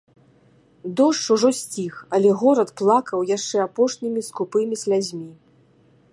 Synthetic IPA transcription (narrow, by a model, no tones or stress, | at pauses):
d̪ɔʂt͡ʂuʐɔsʲt͡sʲixɐlʲɛɣɔɾɐt̪plˠakɐwjaʂt͡ʂɛapɔʂnʲimʲiskupɨmʲisʲlʲazʲmʲi